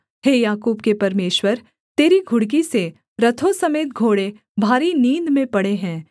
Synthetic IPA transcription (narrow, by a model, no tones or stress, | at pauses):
heːjaːkuːbkepɐɾmeːʃwəɾ | t̪eːɾiɡʱʊɽk̬ise | ɾɐt̪ʰosɐmeːt̪̚ɡʱoːɽe | bʱaːɾiniːnd̪mẽpɐɽeɦɛ̃ː